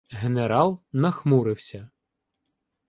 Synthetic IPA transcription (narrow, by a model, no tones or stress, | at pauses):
ɦeneɾɑlˠnɐxmuɾɪwsʲɐ